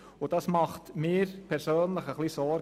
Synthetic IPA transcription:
ʊd̥ɑsmɑχtmɪːɾpʰɛɾsøːnləχəχlisɔɾ

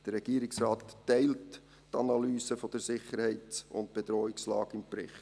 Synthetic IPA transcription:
d̥əɾːɛɡ̥iːəɾɪksrɑːt̪ːɛɪlt | tɑnɑlyːsəfod̥əsɪχːəɾhɛɪtsʊ̰nt̚b̥ed̥ɾɔːɪkslɑ̰ːɡ̥ɪmpɾɪ̰χt

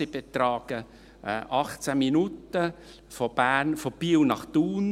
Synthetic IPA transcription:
ɪb̥et̪ɾɑːɡ̥ə | ʔɑχt͡sæminut̪ə | fob̥æːɾnfɔb̥iwnɑχt̪uːn

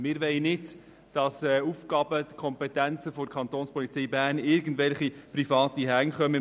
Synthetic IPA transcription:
mɪɾʋɛɪnɪt | d̥ɑsɛuːfkɑːb̥ədəkʰɔmpɛt̪ænt͡səfokʰɑnt̪oːnspɔlit͡sɛjbæːɾnɪɾɡən̩dʋɛlχipɾifɑːtiɦæŋχœmə

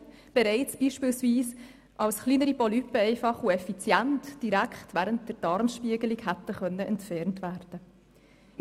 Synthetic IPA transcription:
b̥ɛɾɛɪt͡sb̥iːʃpɪːlsviːs | ʔɑlsχliːnəɾipɔlypːəɛɪfɑχuɛfit͡sjæntd̥iɾækχtvæːɾəntd̥əɾd̥ɑɾmʃpiəɡəliɡhætːəχœnːəʔɛntfɛɾntʋæːɾd̥ə

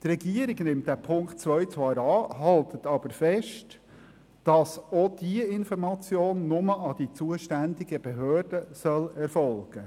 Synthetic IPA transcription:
t̪ɾɛɡiəɾɪɡnɪmt̚d̥æpʰʊŋkt̚t͡sʋœʏt͡sʋɑːɾɑːhɑlt̪ʰət̪ɑb̥əɾfɛʃt | d̥ɑsod̥iəɪnfɔɾmɑt͡sjoːnːʊməʔɑd̥̪it͡suəʃtænd̪ɪɡəb̥eɦøːɾd̥əsœlɛɾfɔlɡ̥ə

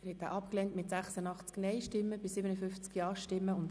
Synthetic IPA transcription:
ɾhɛt̚ːa̰ːʔɑpklɛntmɪtsæχsənɑχt͡sknɛɪʃtɪmːəbɪsɪbənəfʏft͡skjɑːʃtɪmːəʊnt

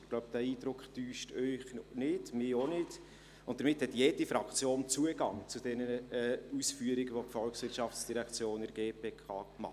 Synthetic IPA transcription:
ɡ̥lɔʊbd̥æiːd̥ɾʊkχtyːʃtœʏχnɪdmɪonɪd | ʊntd̥əɾmɪthɛtjeːd̥ifɾɑkt͡sjoːnt͡suəɡɑŋt͡sʊd̥ɛnəəɛːusfyːəɾɪɡəvopfɔlksvɪɾtʃɑft͡sd̥iɾɛkt͡sjoːnəɾɡeːpʰeːkʰɑ̰ːmɑ̰ə

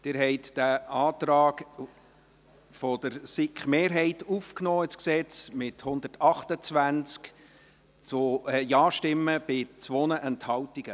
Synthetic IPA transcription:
d̥ɪɾɦɛɪt̪d̥æɑːtrɑːɡ | fɔd̪̥əɾsɪkχmeːɾɦɛɪtufknɔːɪsksɛt͡smɪthʊnd̪ətɑχtət͡sʋænt͡sk | t͡sʊɛjɑːʃtɪmːəb̥ɪt͡sʋɔnəʔɛnthɑwtiɡ̥ə

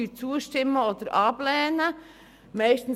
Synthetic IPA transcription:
yːt͡suːəʃtɪmːəoːd̪əɾʔɑːb̥lɛːnə | mɛɪʃtn̩

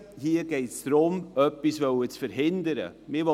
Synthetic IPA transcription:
hiəɡ̥ɛɪtsd̥ɾʊmœpːisvœwət͡sfəɾɦɪnd̪əɾə̰mɪʋɔ

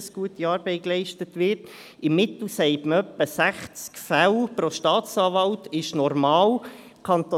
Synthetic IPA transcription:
sɡ̥uətiɑːɾb̥ɛɪklɛɪʃtətʋɪɾt | ɪmːɪt̪l̩sɛɪtməœpːəsæχt͡skfælpɾoʃtɑːt͡sɑːvɑltɪʃnɔɾmɑːl | kʰɑnt̪o

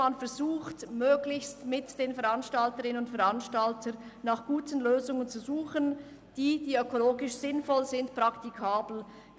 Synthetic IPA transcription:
anfɛɐzuːxtmøːɡlɪçstmɪtd̥eːnfɛɐʁanʃtaltəʁɪnənʊntfɛɐɾanʃtaltʰənaχɡ̥uːtən̩løːzʊŋənt͡suzuːχən | d̥iːd̥iːøkoloːɡɪʃz̥ɪnfɔlzɪntpʁ̥aktikʰaːbl̩

